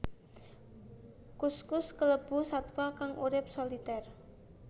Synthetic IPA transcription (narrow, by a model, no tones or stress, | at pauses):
kuskʊskələb̥ṳhsat̪wakaŋʔuɾɪp̚solit̪ɛr